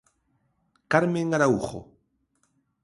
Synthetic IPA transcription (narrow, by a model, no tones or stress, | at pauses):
kaɾmeŋɡaɾauχo̰